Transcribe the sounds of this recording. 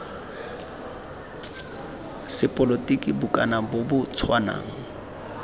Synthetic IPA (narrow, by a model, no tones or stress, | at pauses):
sɪpʼɔlotʼikʼibʊkʼanabʊbʊt͡sʰwana̰ːŋ̩